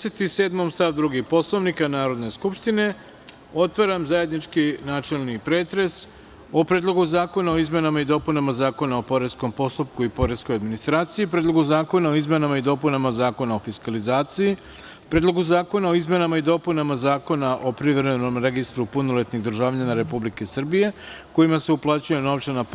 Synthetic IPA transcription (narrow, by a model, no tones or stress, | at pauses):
set̪ise̞ːd̪mo̞mst̪aʋd̪ɾuɡipo̞slˠoʋnikanaːɾo̞d̪ne̞skupʃt̪ine̞ | o̞t̪ʋaɾamzaje̞d̪nit͡ʃkinaːt͡ʃe̞lnipɾe̞ːt̪ɾe̞s | o̞pɾeːd̪lˠo̞ɡuzaːko̞nao̞izme̞namaid̪o̞punamazaːko̞naopo̞ɾe̞sko̞mpo̞st̪up̚kuipo̞ɾe̞sko̞jad̪minist̪ɾaːt̪sijipɾeːd̪lˠo̞ɡuzaːko̞nao̞izme̞namaid̪o̞punamazaːko̞nao̞fiskalizaːt̪siji | pɾeːd̪lo̞ɡuzaːko̞nao̞izme̞namaid̪o̞punamazaːko̞naʔo̞pɾiʋɾeno̞mɾe̞ɡist̪ɾupuno̞le̞t̪niɣd̪ɾ̩ʒaːʋʎanaɾe̞publike̞srbije̞ko̞jimase̞uplˠaːt͡ɕuje̞no̞ʋt͡ʃana